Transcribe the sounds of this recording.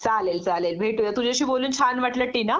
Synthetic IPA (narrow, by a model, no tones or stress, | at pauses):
t͡saleld͡zalelbʱeʈujat̪ud͡ʑʱiəɕiːboluːnt͡ɕʰanʋaʈləʈːiːna